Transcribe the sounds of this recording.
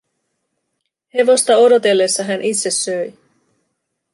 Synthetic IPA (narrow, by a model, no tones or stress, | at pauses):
he̞ʋo̞st̪ɑo̞do̞t̪e̞lːe̞sːɑɦænʔit̪se̞sːø̞j